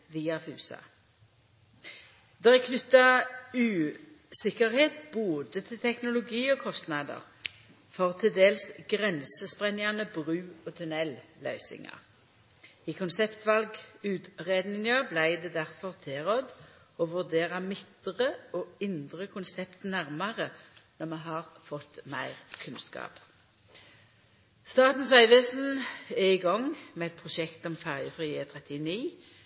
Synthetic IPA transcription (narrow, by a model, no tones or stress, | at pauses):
ʋiːɑfʉ̰ːsɑ̰ | d̪eːʁɛkʰnʏt̪ːɑʉː | sɪkəʁheːt̪boːd̪ət̪ʰɪlt̪ʰɛknʊlʊɡiːɔːkʰɔst̪nɑd̪ə̰ʁ | fɔʁt̪ʰɪd̪eːlsɡʁɛnsəspʁɛnɪɑnəbʁʉːoːt̪ʰʉnɛllœʏsɪ̰ŋɑ̰ʁ | iːkʰʊnsɛpt̪ʋɑlɡʉːt̪ʁeːd̪nɪŋɑblæɪd̪ɛːd̪æʁfɔʁt̪ʰɪʁɔd̪ | oːʋʉʁd̪eːʁɑmɪt̪ʁəoːɪnd̪ʁəkʰʊnsɛpt̪næʁmɑʁənɔmɛɦɑːʁfɔt̪mæ̰ɪʁkʰʉnskɑ̰ːp | st̪ɑːt̪n̩sɑɪʋəsn̩ɛɪɡɔŋmeːɛt̪̚pʰʁʊʃɛkt̪ɔmfæʁjəfʁiːət̪ʰʁɛt̪ɪniː